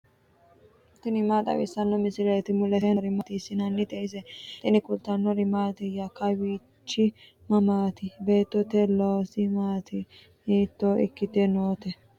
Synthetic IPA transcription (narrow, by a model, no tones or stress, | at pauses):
t̪ɪnɪmaːt̪ʼɐ̰wɪ̰sːɐnːɔmɪsɪɾɛjt̪ɪmʊlɛɛɾɪmɐt̪iːsːɪnɐnːɪt̪ʼɛɪzɛt̪ɪnɪkʊlt̪ːɐnːɔɾɪmaːt̪ɛjɐkɐwiː | t͡ʃːɪ | mɐmaːt̪ɪbe̞ːt̪ːɔt̪ɛloːsɪmaːt̪ʰɪ | iːt̪ːoɪ̰kːɪt̪ɛnoːt̪ɛ